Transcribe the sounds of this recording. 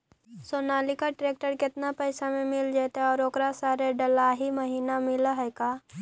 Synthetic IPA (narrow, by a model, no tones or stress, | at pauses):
soːnaːlikaʈɾeːk̚ʈəɾkɪt̪napɛːsamẽmɪld͡ʒaːt̪eɔːɾoːkɾasaːɾeɖɐlaːɦimɐɦiːnamɪlaɦɛːɡaː